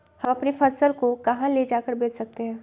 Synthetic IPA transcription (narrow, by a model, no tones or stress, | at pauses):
hɐ̃mɐpnefɐsəlkokɐɦãled͡ʒaːkəɾbeːd͡ʒsɐk̚t̪eɦɛ̃ː